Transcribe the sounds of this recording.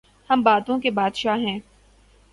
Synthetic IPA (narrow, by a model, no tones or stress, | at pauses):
hɐmbaːt̪õkebaːd̪ʃaɦɛ̃ː